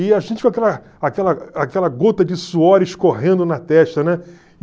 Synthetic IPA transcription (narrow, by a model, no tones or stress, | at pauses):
ɪaʒẽt͡ʃɪkõakɛlɐ | akɛlɐakɛlɐɡot̪ɐd͡ʒɪsuɔɾɪʃkoɦẽnd̪ʊnɐt̪ɛʃt̪ɐnɛ